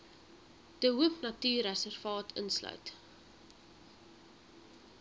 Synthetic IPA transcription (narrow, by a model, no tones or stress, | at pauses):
d̥əɦuəpnɐtyːræsɛrfɑːtʰə̰nslœ̰ɥt